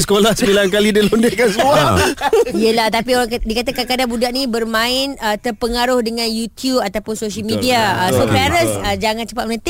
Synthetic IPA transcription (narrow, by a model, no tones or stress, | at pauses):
sə̥kolahsəbilankalidəlondekansəmua | iəlaht̪apioɾaŋkdikat̪əkakadabudaʔnibərmãɪnət̪ərpəŋaɾʊhdəŋãnjut̪jubat̪apʊnsoʃəlmĩdiaəsopaɾəsəd͡ʒaŋãnt͡ʃəpaʔ̚mənət̪ɪ